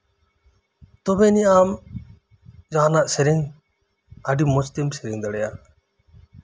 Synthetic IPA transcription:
t̪ɔbɛniam | d͡ʒanaʔsɛɾiŋ | aɖimɔst̪imsɛɾiŋd̪ɛɽɛja

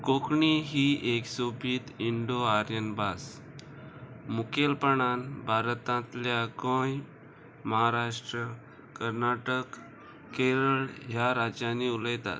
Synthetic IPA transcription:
kokɳiɦiʔeksobʱiːt̪iɳɖoaɾjənbas | mukelpəɳanbʱaɾt̪ãt̪ljakə̃j | məɦaɾaʂʈɾə | kəɾnaʈək | kːeɾəɭɦjaɾad͡ʑaniuləjt̪a̰t̪̚

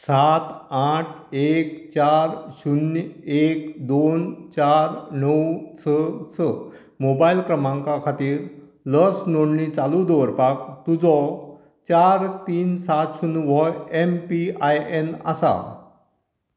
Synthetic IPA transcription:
sat̪aʈʰekt͡ɕaɾɕunek̚d̪ont͡ɕaɾnəwt͡sʰət͡sʰə | mobailkɾəmãŋkakʰat̪iːɾ | ləsnoɳɳit͡salud̪ɔʋəɾpakt̪ud͡zɔ | t͡ɕaɾt̪iːnsat̪ɕunʋɔempiajena̰sa̰

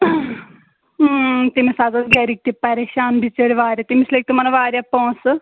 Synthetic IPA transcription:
t̪imisazɐsɡɛɾik̚t̪ipɐɾeːʃaːnbit͡səɽʲiʋaːɾʲat̪imislek̚t̪imɐnɐʋaːɾʲjapõːsɨ

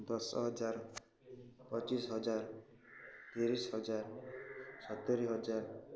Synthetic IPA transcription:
d̪ɔsɦɔd͡ʒaɾ | pɔt͡ʃisɦɔd͡ʒaɾ | t̪iɾisɦɔd͡ʒaɾ | sɔt̪eɾiɦɔd͡ʒaɾ

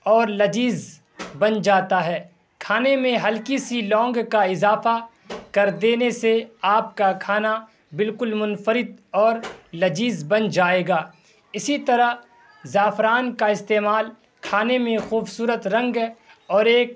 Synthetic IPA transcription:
ɔːɾlɐd͡ʒiːz | bɐnd͡ʒaːt̪aɦɛː | kʰaːnemẽɦɐlkɪsilɔ̃ːŋɡkaɪzaːfa | kɐɾd̪eːneseaːp̚kakʰaːna | bɪlkʊlmʊnfəɾɪt̪ɔːɾlɐd͡ʒiːzbɐnd͡ʒaːeːɡaː | ɪsit̪ɐɾə | zaːfɾaːnkaɪst̪eːmaːl | kʰaːnemẽxuːbsuːɾət̪ɾɐ̃ŋɡ | ɔːɾeːk̚

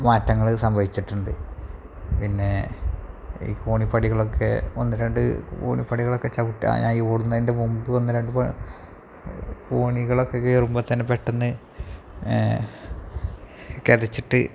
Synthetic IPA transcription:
maːtːɐŋːɐɭsɐmbʱɐʋit͡ɕːiʈːuɳɖɨ̰ | pinːe̞ | ḭːkoːɳipːɐɽiɣɐɭo̞kʰːe̞o̞̰nːɨɾeɳɖɨ̰ko̰ːɳipːɐɽiɣɐɭo̞kːe̞t͡ɕɐʋiʈːɨa̰ɲa̰ːnioːɽunːɐðinde̞mumbɨo̞nːɨɾeɳɖɨpɐ | koːɳiɣɐɭokːekerumbɐt̪ːɐnːepeʈːenːɨ | keðit͡ɕːiʈːɨ

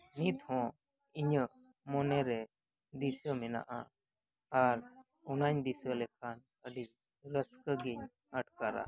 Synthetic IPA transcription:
nit̪hɔ̃ | iɲəʔ | mɔnɛɾɛ | d̪isəmɛna̰ʔa̰ | aɾ | ɔnaɲd̪isəlɛkʰan | əɖi | ɾəskəɡiɲ | aʈkaɾa̰

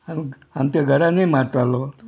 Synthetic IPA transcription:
am | amt̪aɡʱəɾanemaɾt̪alo

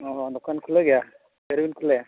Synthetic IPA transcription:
ɔɦɔd̪ɔkʰankʰuleɡeja | seɾibinkʰuleja

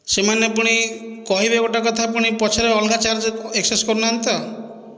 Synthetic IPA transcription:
semanepuɽ̃ikɔɦibekɔʈakɔt̪ʰap̬uɽ̃ipɔt͡ʃʰɔɾeɔlɡat͡ʃaɾd͡ʒekseskɔɾunant̪ɔ

